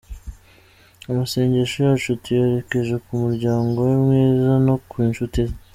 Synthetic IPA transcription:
amase̞ːɲɟeʃojat͡ʃutijeɾe̞ke̞ʒe̞kumuɾɟaːŋɡo̞wemŋiːzano̞kwiːnʃutiz

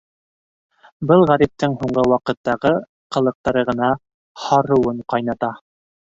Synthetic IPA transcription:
bɤlˠʁæɾip̚t̪ɘɴhuɴɢɤwɑqɤ̆t̪ːɑʁɤ | qɤ̆lˠɤ̆q̚t̪ɑɾɤʁɤ̆nɑ | hɑɾɤ̆wɤɴqɑjnɑt̪ɑ

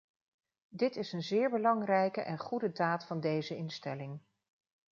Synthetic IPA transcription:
dɪtɪsənzɪːɹbəlɑŋrɛjkəʔɛnχudədaːtfɑndejzəɪnstɛlɪŋ

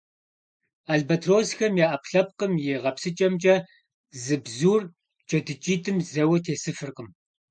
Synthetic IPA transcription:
aɮbɐtʰroːsxɐmjaːʔɐpɬɐp̚qəmjeːʁɐpsɨt͡ʃʼɐmt͡ʃʼɐ | zɨbzuːr | t͡ʃʼɐdɨt͡ʃʼiːtʰʼɨmzɐwɐtʰeːsɨfɨrqəm

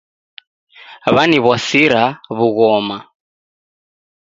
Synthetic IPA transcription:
βaniβwasiɾaβuɣɔma

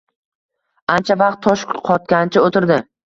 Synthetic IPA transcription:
ant͡ʃʰavɑq̚t̪ʰːɒʃkqʰɒt̪̚kʲant͡ʃʰaot̪ɪɾd̪ɪ

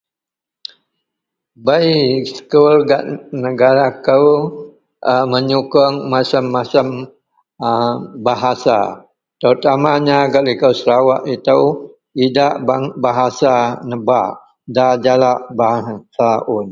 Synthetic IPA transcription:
bəjsə̥kulɡaʔnəɡaɾakəw | ʔəməɲukʊŋmasəmːasəm | baɦasa̰ | t̪əɾut̪amaɲaɡaʔlikəwsəɾawaʔit̪əw | idaʔbabaɦasanəba̰ | dad͡ʒalaʔbaɦasaʊn

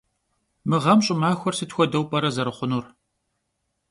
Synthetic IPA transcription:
mɨʁɐmɕʼɪmaːxʷɔrsɨtxʷɔdɐwpʼɐɾɐzɐɾɨχʷʊnur

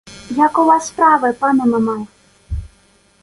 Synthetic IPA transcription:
jakuvasːpɾavɨpanɐmamaj

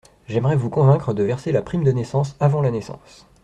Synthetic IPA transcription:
ʒɛmʁɛvukɔ̃vɛ̃kχəd̪əvɛʁselapχimd̪ənɛsɑ̃savɑ̃lanɛsɑ̰̃s

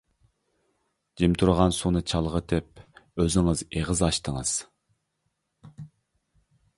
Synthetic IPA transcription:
d͡ʒimt̪ʰuɾʁɑnsunɨt͡ʃʰɑlˠʁəd̪ɛp̚øzɪŋɨzeʁəzɑʃt̪əŋɨz̥

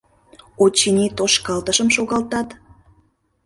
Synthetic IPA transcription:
ot͡ɕːinʲit̪oʃkɑlt̪əʃəmʃoɣɑlt̪ɑt̪

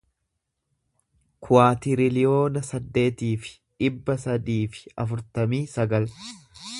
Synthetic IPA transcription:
kʰʊaːt̪ɪɾɪlɪjo̞ːnɐsɐd̪ːe̞ːt̪iːfɪ̥ | ᶑɪbːɐsɐd̪iːfɪ̥ɐfʊɾt̪ɐmiːsɐɡɐl

